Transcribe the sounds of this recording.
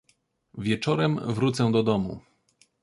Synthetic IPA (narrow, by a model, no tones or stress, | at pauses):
vʲjɛt͡ʂɔɾɛmvɾut̪sɛ̃d̪ɔd̪ɔmṵ